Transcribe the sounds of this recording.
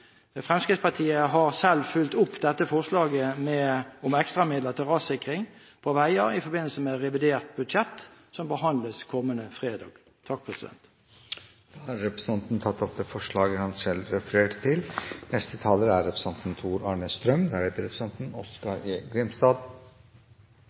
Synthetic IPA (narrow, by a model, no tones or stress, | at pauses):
fʁɛmskɪspʰɑt̪ʰiːəɦɑʁsɛlfʉlt̪ʊpːd̪ɛt̪ːəfɔʁslɑːɡəmɛɔmɛkst̪ʁɑmɪd̪ləʁt̪ʰɪʁɑːsɪkʁɪŋ | pʰɔʋæɪəʁɪfɔbɪnːəlsəmɛʁɛʋɪd̪eːʁt̪̚bʉd̪ʃɛt̪ːsɔmbəɦɑnd̪ləskʰɔmːənəfʁeːd̪ɑ̰ːɡ̥ | t̪ʰɑk̚pʰʁɛsɪd̪ɛ̰nt̪ | d̪̥ɑːhɑɾɾɛpɾəsɑnt̪n̩t̪ʰɑt̪ːɔp̚d̪ɛːfɔʂɭɑːɡəhɑnsɛlɾɛfəɾeːʈt̪ʰɪlnɛst̪ət̪ʰɑːləɾæɾːɛpɾəsɑnt̪n̩t̪ʰuːɾɑːɳəst̪ɾœmd̪æɾheːt̪əɾɛpʰɾəsɛnt̪n̩ɔskɑɾeɡɾɪmst̪ɑːd̪